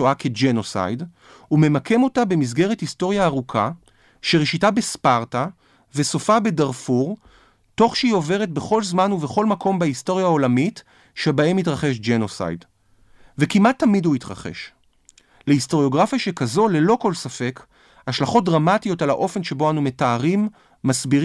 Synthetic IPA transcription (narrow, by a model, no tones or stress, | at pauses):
oake̞d͡ʒeno̞sa̰jd | ume̞makʰe̞mo̞tabe̞mizɡe̞ʁethisto̞ʁjaːʁukʰa | ʃeʁeʃitabespaʁta | ve̞so̞fabe̞daʁfuʁ | to̞χʃeio̞ve̞ʁ̞et̚be̞χo̞lzmanuveχo̞lmakʰo̞mbaisto̞ʁjao̞lamit | ʃebae̞mit̬ʁaχe̞ʃd͡ʒeno̞sa̰jd | vekimʔatːamidhuitʁa̰χe̞̰ʃ | leisto̞ʁjo̞ɡʁafjaʃe̞kazo̞le̞lo̞ko̞lsafe̞k | haʃlaχo̞t̚dʁamatijo̞talaʔo̞fe̞nʃe̞bo̞anume̞taːʁimː | asbi